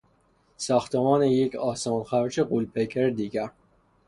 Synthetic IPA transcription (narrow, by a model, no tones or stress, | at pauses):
sɒːxt̪ʰemɒːnejecʰɒːsɑːnxæɾt͡ʃʰeɢulpʰekʰeɾd̪iːɡæɾ